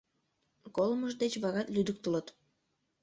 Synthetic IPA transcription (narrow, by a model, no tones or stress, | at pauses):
kolməʒd̪et͡ɕβɑɣɑt̪lyd̪ək̚t̪ələt̪